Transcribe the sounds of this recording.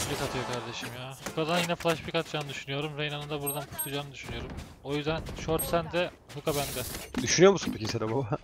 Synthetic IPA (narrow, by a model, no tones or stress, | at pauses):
bʲikat̪ʰɯjo̞kʰaɾd̪eʃimjaːhukʰad̪anjinɛflˠaʃbikat̪d͡ʒaːnɯd̪yʃynyjo̞ɾumɾejnanɯnd̪abuɾd̪anpʰu̥ɾt̪ʰud͡ʒaːnɯd̪yʃynyjo̞ɾum | o̞jyzd̪ænʃoɾt̪sænd̪ɛ | hukabænd̪ɛd̪yʃynyjoɾmusunpʰecʲised̪ɛbob